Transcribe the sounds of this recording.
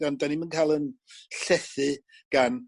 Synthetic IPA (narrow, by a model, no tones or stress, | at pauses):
ɔndanimənkʰaːjlˠənɬɛθɨ | ɡ̥an